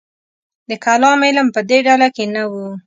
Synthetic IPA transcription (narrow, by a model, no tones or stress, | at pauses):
d̪əkalɑmɪlmpəd̪eɖalakenawu